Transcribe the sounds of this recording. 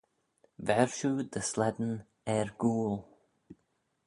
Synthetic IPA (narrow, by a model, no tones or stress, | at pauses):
vɛɹʃud̪əslɛdn̩ | ɛɹɡuːlˠ